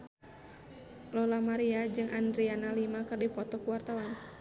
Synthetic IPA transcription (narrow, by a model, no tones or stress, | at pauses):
lɔlamaɾiad͡ʒɨŋʔandɾianalimakɨrdipɔt̪ɔkuwart̪awan